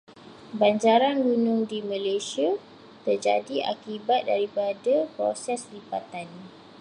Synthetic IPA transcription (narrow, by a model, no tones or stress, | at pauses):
baɲd͡ʒaɾanɡunʊŋdimãlasia | t̪ərd͡ʒa̰diʔa̰kibat̪̚daɾipadapɾo̰sɛslibat̪an